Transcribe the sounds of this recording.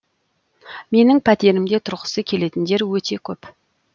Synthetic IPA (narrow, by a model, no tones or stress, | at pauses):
me̞nɪŋpʰæt̪e̞ɾɪmd̪e̞t̪ʰʊɾʁə̥səkʲʰe̞le̞t̪ɪnd̪e̞ɾwɵt̪e̞kʲʰɵp